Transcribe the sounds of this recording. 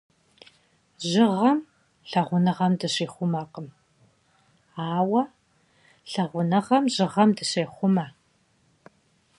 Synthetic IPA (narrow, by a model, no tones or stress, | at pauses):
ʑɪʁɐm | ɬɐʁʷʊnɐʁɐmdɨɕiːχʷʊmɐqəm | aːwɐ | ɬɐʁʷʊnɐʁɐmʑɨʁɐmdɨɕeːχʷʊmɐ